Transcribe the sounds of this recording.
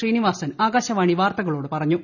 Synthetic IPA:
riːniʋaːsɐnaːɡaːɕɐʋaːɳiʋaːrt̪ɐɣɐɭo̞ːɽɨpɐrɐɲːu

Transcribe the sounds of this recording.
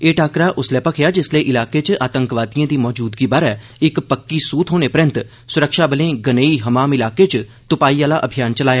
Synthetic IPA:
eːʈʰaːkɾaːʔʊslɛːpəkʰjaːd͡ʒɪsleʔɪlaːket͡ʃʔaːt̪ə̃ŋkʋaːt̪ijãːd̪iːmɔːd͡ʒuːd̪ɡiːbaːɾɛː | ɪkpəkːisuːt̪ʰɦoːnepəɾə̃nt̪ | sʊɾəkʃaːbəlẽːɡəneːiɦəmaːmɪlaːket͡ʃt̪ʊpaːiaːlaʔəbʱijaːnt͡ʃəlaːjaː

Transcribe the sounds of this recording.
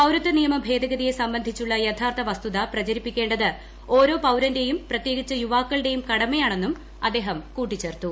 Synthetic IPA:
pɐwɾɐt̪ːɨnijɐmɐbʱe̞ːd̪ɐɡɐðije̞sɐmbɐnd̪ʱit͡ɕːuɭːɐjet̪ʰaːrt̪ʰɐʋɐst̪uðɐprɐt͡ɕɐɾipːikʲːe̞ːɳɖɐðɨ | o̞ːɾo̞ːpɐwɾɐnde̞jumprɐt̪jeːɡit͡ɕːɐjuʋaːkːɐɭɨɽe̞jumkɐɽɐmɐjaːɳe̞nːum | ɐd̪ːe̞ːɦɐmkuːʈːit͡ɕːe̞ːrt̪ːu

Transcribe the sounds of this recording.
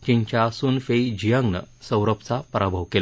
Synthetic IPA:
d͡ʑĩɲt͡ɕjasuːnfeid͡ʑijəŋɡnə̰sə̃wɾəpt͡sapəɾabʱəʋkel

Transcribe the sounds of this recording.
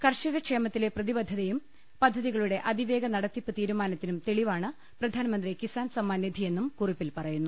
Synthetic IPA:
kɐrʂɐɣɐkʂe̞ːmɐt̪ːile̞prɐðibɐd̪ʱːɐðɐjum | pɐd̪ʱːɐðiɣɐɭuɽe̞ʔɐd̪iʋe̞ːɡɐnɐɽɐt̪ːipːɨt̪iːɾumaːnɐt̪ːinumt̪e̞ɭiʋaːɳɨ | prɐd̪ʱaːnɐmɐnd̪rikisaːnsɐmːaːnːid̪ʱije̞nːumkuripːilpɐrɐjunːu

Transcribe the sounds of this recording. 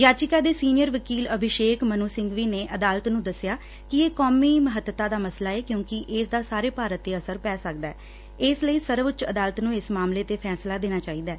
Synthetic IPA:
d͡ʒaːt͡ʃɪkaːd̪eːsiːnɪjəɾʋəkiːləbʱɪʃeːkmənuːsɪ̃ŋɡʋiːneːʔəd̪aːlət̪nũːd̪əsɪjaː | kɪeːkɔːmiːməɦət̪ːət̪ãːd̪aːməslaːɛːkjõːkɪʔɪsd̪aːsaːɾeːpaːɾət̪ːeːəsəɾpɛːsək̚d̪aːɛ̰ | ɪsləiːsəɾʋət͡ʃəd̪aːlət̪nũːɪsmaːmleːt̪eːpʰɛːslaːd̪eːnaːt͡ʃaːiːd̪aː

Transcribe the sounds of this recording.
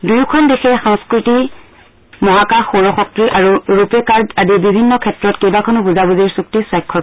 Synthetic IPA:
dujkʰɔndexɛxɔŋskɹiti | mɔɦakaxoɹɔxɔk̚tɹiʔaɹuɹupɛkaɹdadibibʱinːɔkʰɛtɹɔtkejbakʰɔnɔbuzabuziɹsuk̚tiswajkʰːɔ

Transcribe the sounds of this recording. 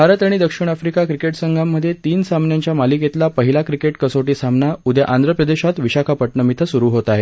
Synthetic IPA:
bʱaɾət̪aɽ̃id̪əkʂiɽ̃afɾikakɾikeʈsəŋɡʱamːəd̪ʱːjet̪iːnsamnjaɲt͡ɕjamaliket̪lapəɦilakɾikeʈkəsoʈiːsamnaud̪ja̰ʔand̪ɾəpɾəd̪eɕat̪ʋiɕakʰapəʈɳəmit̪ʰəsuɾuːɦot̪aɦe

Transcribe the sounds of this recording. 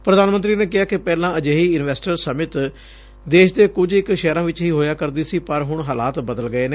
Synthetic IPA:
pɾəd̪aːnmənt̪ɾiːneːkɪɦaːkɪpɛːlãːəd͡ʒeːɦiːɪnʋɛːsʈəɾsəmɪt̪ | d̪eːʃd̪eːkʊd͡ʒɪkʃɛːɾãːʋɪt͡ʃɦiːɦoːjaːkəɾd̪iːsiːpəɾɦʊɳɦaːla̰ːt̪bəd̪əlɡəeːneː

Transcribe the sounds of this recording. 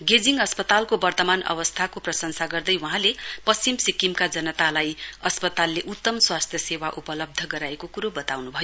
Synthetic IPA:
ɡed͡ziŋɡʌspʌt̪alkobʌrt̪ʌmanʌ̰bʌst̪ʰakoprʌsʌŋsaɡʌrd̪ʌjwuɦãlepʌst͡simsikːimkad͡zʌnʌt̪alajʌspʌt̪alːeʔut̪ːʌmswast̪ʰjʌsewaʔupʌlʌb̚d̪ʱʌɡʌɾaekokuɾobʌt̪awnubʱʌjo

